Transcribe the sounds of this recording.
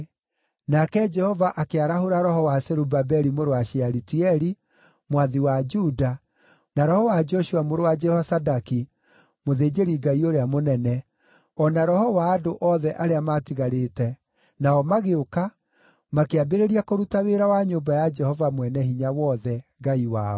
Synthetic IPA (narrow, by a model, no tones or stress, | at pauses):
nakɛd͡ʒɛhɔvaʔakeaɾahoɾaɾɔɦɔwasɛɾubabɛɾimoɾowaʃiaɾitiɛɾi | mwaðiwad͡ʒuda | naɾɔhɔwad͡ʒɔʃuamoɾowad͡ʒɛhɔsadaki | moðeːd͡ʒeɾiɡaioɾeamonɛnɛ | ɔnaɾɔhɔwaːdoʔɔðɛʔaɾeamatiɣaɾetɛ | naɔmaɣeoka | makeabeɾeɾiakoɾutaweɾawaɲombajad͡ʒɛhɔvamwɛnɛhiɲawɔːðɛɡaiwaːɔ